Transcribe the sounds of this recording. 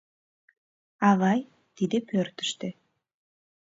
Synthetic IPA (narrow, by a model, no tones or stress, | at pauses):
ɑβɑj | t̪id̪epørt̪ɘ̥̆ʃt̪ĕ